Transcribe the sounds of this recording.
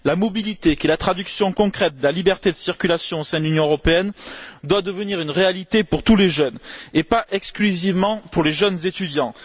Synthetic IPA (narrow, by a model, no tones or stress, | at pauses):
lamɔbilit̪ekelat̪χad̪yksjɔ̃kɔ̃kχɛt̪̚d̪əlalibɛʁt̪ed̪əsiʁkʲylasjɔ̃osɛ̃d̪əlynjɔ̃øʁɔpeɛnd̪wad̪əvəniʁynʁealit̪epuʁt̪uleʒœnepaʔɛksklyzivmɑ̃puʁleʒœnzet̪yd̪jɑ̃